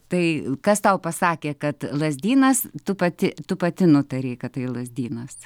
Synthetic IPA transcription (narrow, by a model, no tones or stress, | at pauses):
t̪ɐɪkɐst̪ɐʊpɐsɑːkʲeːkɐt̪lˠɐzʲd̪ʲiːnɐst̪ʊpɐt̪ʲɪt̪ʊpɐt̪ʲɪnʊt̪ɐɾʲeːkɐttɐɪlˠɐzʲd̪ʲiːnɐs